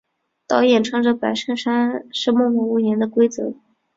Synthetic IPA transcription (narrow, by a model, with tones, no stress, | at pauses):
t̪ɑ˧˥ʊjɛ˨˩nʈ͡ʂʰɤ˥ŋʈ͡ʂɤ˧˩pa˧˥ɪʂə˥˩nʂa˥nʂɻ̩˥˧mɔ˥˧mɔ˧˥u˥˩jɛ˧˥nd̪ə˧kwe˥ɪt͡sɤ̰˧˥